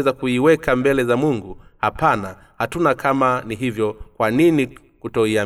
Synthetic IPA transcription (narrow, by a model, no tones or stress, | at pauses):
ɛzakuiwɛkambɛlɛzamuŋɡuhapana | hatunakʰamaniɦivjɔkwanini | kutɔia